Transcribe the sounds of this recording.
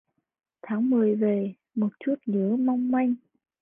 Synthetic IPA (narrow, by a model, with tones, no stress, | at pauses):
t̪ʰaː˨˦ŋmɨ˨˩əjve˨˩ | mo˨˩t̚t͡ɕu˦˥t̚ɲɨ˧˦ma˧wŋ͡mma˧jŋ̟